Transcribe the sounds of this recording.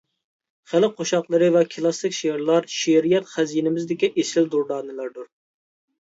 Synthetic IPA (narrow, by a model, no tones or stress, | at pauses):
χælɪqʰoʃɑqlˠɨɾɨvɛkʰɨlˠɑsɪkʲʃeɾlˠɑɾʃeɾijɛt̪χæzijnɪmɪzd̪ɪkʲiʔesɪld̪uɾd̪ɑːnɨlˠɑɾd̪uɾ